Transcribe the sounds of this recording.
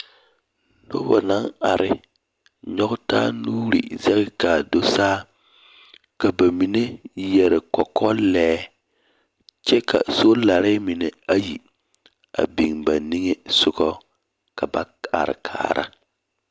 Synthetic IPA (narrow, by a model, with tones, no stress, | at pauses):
no˦bɔ˨na˦ŋa˨ɾʔɪ˦ | ɲɔ˦ɡʊ˦taː˦nuː˦ɾḭ˨zɛ˦kɪ˦ka˨do˦saː˦ | ka˨ba˨mi˨ne˦jɛ˨ɾɪ˨kɔ˨kɔ˦lɛː˦ | t͡ʃɛ˦kʰa̰˨so˦la˨ɾɪ˦mi˨ne˨a˦ji˨ | a̰˨bi˨ŋba˨ni˦ŋe˦sʊ˦kɔ˦ | ka˨ba˦ | a̰˨ɾɪ̰˨kʰa̰ː˨ɾʔa̰˦